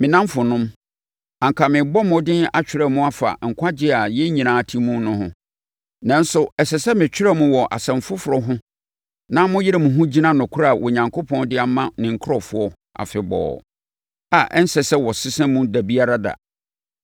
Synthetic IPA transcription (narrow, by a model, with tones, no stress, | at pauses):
mɪ̃˨nã˦mfʊ˨nʊ̃˦m | ã˨ŋ˨kʰa˨mɪ̃˨bɔ˦mʊ̃˨dɪ̃˦na˦t͡ɕᶣɪ˨ɾɛ˦mũ˦a˦fa̰˨ŋ̩˨kʷʰa˦d͡ʑɪ˦a˨jɛ˦ɲĩ˨nãː˨tʰĩ˦mũ˦nʊ̃˦hʊ̃˦ | nã˦n̩˦sʊ˨ɛ˨sɛ˨sɛ˦mɪ̃˨t͡ɕᶣɪ˦ɾɛ˦mũ˦wɔ˨ʔa̰˨sɛ̃˨m˨fʊ˦fʊ˨ɾɔ˦ɦʊ̃˦ | nã˦mʊ̃˦jɪ˦ɾɪ˨mũ˨ɦʊ̃˦d͡ʑi˦nã˦nʊ̃˨kʰʊ˦ɾa˦˨wʔɔ˨ɲã˨ŋkʰo˦pʰɔ̃˦ndɪ˦a˦mã˦nɪ̃˨ŋ̩˨kʰʊ˦ɾɔ˨fʊ˦ɔ˦ | a̰˨fɪ˨bɔ̰ː˨ | a˨ʔɛ˦n̩˦sɛ˨sɛ˦wɔ˨sɪ˦sɛ̃˦mũ˦da˨bi˦a˦ɾa˦da̰˨